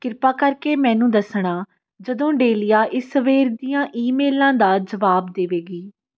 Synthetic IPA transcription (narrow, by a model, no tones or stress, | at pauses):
kɪɾpaːkəɾkeːmɛ̃ːnũːd̪əsɳaː | d͡ʒəd̪õːɖeːlɪjaːʔɪsəʋeːɾd̪ijãːʔiːmeːlãːd̪aːd͡ʒəʋaːbd̪eːʋeːɡiː